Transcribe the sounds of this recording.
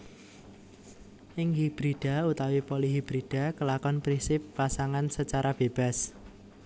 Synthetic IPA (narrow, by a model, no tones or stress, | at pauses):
ʔɪŋɦib̥ɾiɖ̥a̤ut̪awipɔliɦib̥ɾiɖ̥a̤kəlakɔnpɾinsɪpːasaŋansət͡ʃaɾab̥eb̥a̤s